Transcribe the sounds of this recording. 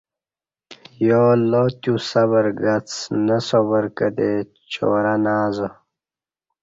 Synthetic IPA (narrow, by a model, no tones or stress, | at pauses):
joːlot̪jusaβəɾɡat͡snəsobəɾkəd̪e | t͡ɕo̰ːɾanaːzə